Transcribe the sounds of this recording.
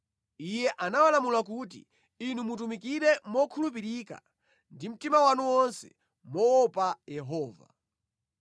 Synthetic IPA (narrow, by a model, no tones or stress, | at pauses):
ijɛʔanawalamulak̬ut̬ḭ | inumut̬umikiɾɛmɔkʰulup̬iɾika̰ | ndim̩timawanuwɔnsɛ̥̰ | mɔwɔpajɛɦɔːva̰